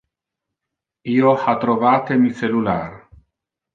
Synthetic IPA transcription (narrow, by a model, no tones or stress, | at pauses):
iohat̪ɾoβat̪emiselulaɾ